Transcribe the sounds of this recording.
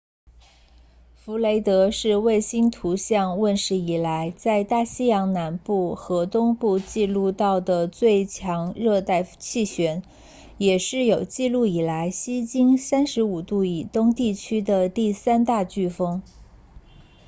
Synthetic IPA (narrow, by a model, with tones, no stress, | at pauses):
fu˧˥le˧˥ɪt̪ɤ˧˥ʂɻ̩˥˧we˥˩ɪɕi˥nt̪ʰu˧˥ɕjɑ˥˧ŋwə˥˩nʂɻ̩˧˥i˨˩la˧˥ɪt͡sa˥˧ɪt̪a˥˩ɕi˥jɑ˧˥ŋna˧˥npu˥˩xɤ˧˥t̪ʊ˥ŋpu˥˧t͡ɕi˥˧lu˥˧t̪ɑ˥˩ʊd̪ə˩t͡swe˥˧ɪt͡ɕʰjɑ˧˥ŋɻɤ˥˧t̪a˥˧ɪt͡ɕʰi˥˩ɕɥɛ˧˥n | jɛ˨˩ʂɻ̩˥˩jo˨˩ʊt͡ɕi˥˧lu˥˩i˨˩la˧˥ɪɕi˥t͡ɕi˥nsa˥nʂɻ̩˧˥u˨˩t̪u˥˩i˨˩t̪ʊ˥ŋt̪i˥˩t͡ɕʰy˥d̪ə˨t̪i˥˩sa˥nt̪a˥˧t͡ɕy˥˩fɤ˥ŋ